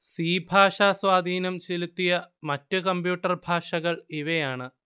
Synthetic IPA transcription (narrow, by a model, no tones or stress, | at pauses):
siːbʱaːʂaːswaːd̪ʱiːnɐmt͡ɕelut̪ːijɐmɐtːɨkɐmbjuːʈːɐrbʱaːʂɐɣɐɭiʋɐjaːɳɨ